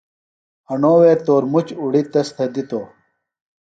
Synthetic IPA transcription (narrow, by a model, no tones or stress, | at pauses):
ɐnoːweːt̪oːɾmut͡ɕuɽit̪ɐst̪ʰɐd̪it̪oː